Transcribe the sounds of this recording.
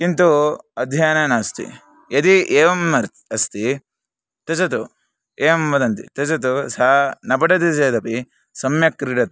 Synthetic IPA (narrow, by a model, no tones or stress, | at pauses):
kint̪uɐd̪ʱjaːnɐnaːst̪ḭ | jɐt̪ieːʋɐmɐɾ | ɐst̪i | t̪ɐt͡ʃɐt̪u | eːʋɐmʋɐd̪ɐnt̪ḭt̪ɐt͡ʃɐt̪usɐnɐpɐʈɐt̪id͡ʒeːd̪ɐpi | sɐmjɐkːɾiʈɐt̪